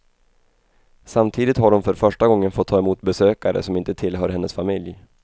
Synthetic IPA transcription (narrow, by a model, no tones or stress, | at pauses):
samt̪ʰiːd̪ɪt̪haɖɔnfœɾfœʂʈaɡɔŋːənfɔt̪ʰːɑːɛmuːt̪bɛsøːkaɾə̰sɔmɪnt̪ət̪ʰɪlɦœːɾhɛnːəsfamɪlj